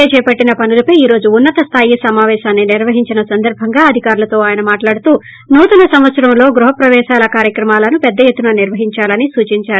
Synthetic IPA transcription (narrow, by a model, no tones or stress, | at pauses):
et͡ʃɛːpɐʈːinɐpɐnulɐpɐjiːɾo̞ːd͡ʒuːnːɐt̪ɐst̪ʰaːjisɐmaːʋɛːʃaːnːiniɾʋɐɦiɲt͡ʃinɐsɐnd̪ɐɾbʱɐŋɡaːɐd̪ʱikaːɾulɐt̪o̞ːaːjɐnɐmaːʈlaːɽut̪uː | nuːt̪ɐnɐsɐmʋɐt̪sɐɾɐmlo̞ːɡɾuɦɐpɾɐʋɛːʃaːlɐkaːɾjɐkɾɐmaːlɐnupɛd̪ːɐjet̪ːunɐniɾʋɐɦiɲt͡ʃaːlɐnisuːt͡ʃiɲt͡ʃaːɾu